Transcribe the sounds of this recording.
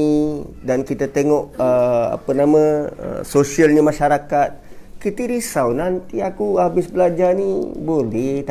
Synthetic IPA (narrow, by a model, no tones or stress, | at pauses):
idankit̪ət̪eŋɔʔəa̰pənamə̃ə̰sosiəlɲəmaʃaɾakat̪̚kit̪əɾisawnant̪iakuhabɪsbəlad͡ʒanibolɛht̪